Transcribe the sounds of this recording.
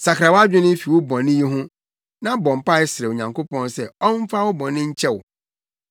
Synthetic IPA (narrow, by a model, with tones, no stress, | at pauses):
sa˨kʰɾa˨wa˦d͡ʑᶣɪ˦nɪ̃˦fi˨wʊ˦bɔ̃˨nɪ̃˦ji˦ɦʊ̃˦ | nã˦bɔ̃˨m̩˨pa˦ɪ˦sɪ˨ɾɛ˨o˨ɲã˨ŋkʰo˦pɔ̃˦nsɛ˦ɔ˦m̩˦fa˦wʊ˦bɔ̃˨nɪ̃˦ɲ̩˦t͡ɕʰɛ˦wʊ̰˨